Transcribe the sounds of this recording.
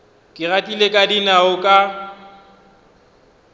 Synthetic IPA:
kʼɪratʼilekʼadinaʊkʼa

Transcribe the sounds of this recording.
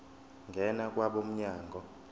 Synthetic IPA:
ŋɡʱɛnak̬ʼwaɓom̩ɲaːŋɡʱɔ

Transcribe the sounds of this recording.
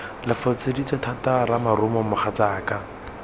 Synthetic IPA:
lɪfɔt͡sedit͡satʰataramarʊmɔmʊχat͡saːka

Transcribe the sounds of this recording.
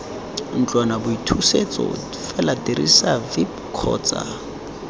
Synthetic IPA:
n̩t͡ɬʼwanabʊitʰuset͡sɔ̰difɛlatiɾḭsavip | kʰɔ̰ːt͡sa̰

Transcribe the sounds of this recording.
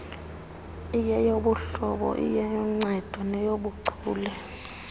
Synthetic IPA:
ijɛjoɓuɬɔɓɔ̰ʔḭjɛjɔŋ͡ǀɛd̥ʱwɔnɛjoɓuǀʰuːlɛ

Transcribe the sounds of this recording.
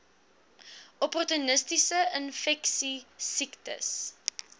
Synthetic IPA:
ɔpɔrtunəstisəənfɛksisiktə̰s

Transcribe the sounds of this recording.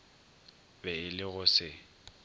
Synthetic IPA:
bɛɪlɪɣʊsɪ

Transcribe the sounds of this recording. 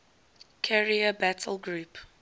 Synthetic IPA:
kʰɛɹiəbætʰəl̩ɡɹuːp

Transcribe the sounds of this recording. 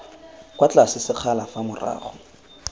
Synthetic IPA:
kwat͡ɬasɪsɪq͡χʰalafamʊra̰ːχɔ

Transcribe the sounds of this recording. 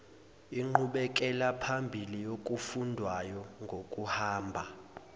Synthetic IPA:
iŋ͡ǃuɓɛk̬ʼɛlapʰambʱilijok̬ʼufundʱwajɔŋɡʱokʼuhaːmbʱa

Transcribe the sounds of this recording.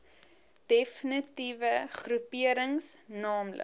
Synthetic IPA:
d̥efnitivəχrupiəɾəŋsnɑːmlə̰

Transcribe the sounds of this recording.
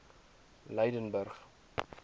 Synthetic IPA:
ləjdənbərχ

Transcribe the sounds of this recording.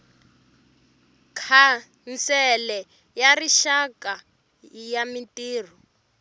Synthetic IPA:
kʰa | nt͡sɛlɛ | jariʃaka | jamitiːr̤ɔ

